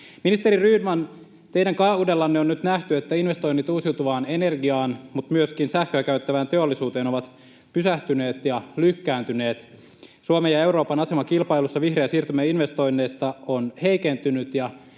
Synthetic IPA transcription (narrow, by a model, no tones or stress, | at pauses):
minist̪e̞ɾiryːdmɑn | t̪e̞jdæŋkɑudelːɑnːeo̞nːyt̪næht̪ye̞t̪ːæinʋe̞st̪ojnːit̪uːsiut̪uʋɑːne̞ne̞rɡiɑːnmut̪myøskinsæhkøːkæyt̪ːæʋæːnt̪e̞o̞lːisuːt̪e̞ːno̞ʋɑt̪ | pysæht̪yne̞ːt̪jɑlykːæːnt̪yne̞ːt̪ | suomejɑe̞wɾo̞ːpɑnɑsemɑkilpɑjlusːɑʋihrejɑsiːrt̪ymeinʋe̞st̪o̞jnːe̞jst̪ɑonhe̞jke̞nt̪ynyt̪jɑ